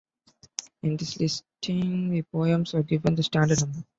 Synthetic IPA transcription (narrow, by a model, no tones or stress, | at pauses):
ɪ̃nd̪ɪslɪsʈʰɪ̃ŋʋipoːjə̃msʋəɡɪʋə̃nd̪əsʈæ̃ːɳɖəɖnʌ̃mbəɾ